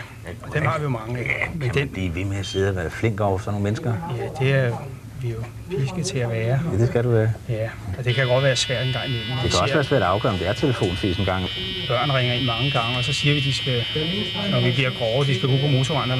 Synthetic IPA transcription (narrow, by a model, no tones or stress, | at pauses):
ɒd̥enhɑ̈ʋijo̝mɑ̈ŋəmend̥enb̥lḭːʋe̝meæse̝ð̩̰ˠæʋæːɐfleŋ̰ɡ̥ɒ̰ʊɐsɒ̽no̝ŋ̩menəsɡ̥ɐjæd̥e̝æ | ʋijo̝ | pʰisɡ̥ət͡sʰe̝æʋæːɐd̥esɡ̥æɾuʋæːɐjæɒ̽d̥e̝kʰæjoɡ̥ɒ̽d̥ʋæːɐsʋæɐ̰d̥enɡɑ̈ŋ̰imel̰m̩d̥eæɒ̽sʋæːɐsʋæ̰ɐ̰d̥ɑ̈ʊɡ̥ɶ̰ɐɒmd̥eæɐt͡sʰeləfo̝̰ːnsḭːsenɡ̥ɑ̈ŋ | b̥ɶɐ̰n̩ʁeŋɐe̝n̰mɑ̈ŋəɡ̥ɑ̈ŋəɒ̽sɒ̽siːɐʋid̥isɡ̥æ | nɒʋib̥liɐɡ̥ʁɒʊd̥isɡ̥æb̥ṵpʰɒ̽mo̝ːt͡sʰoʋɑ̈ne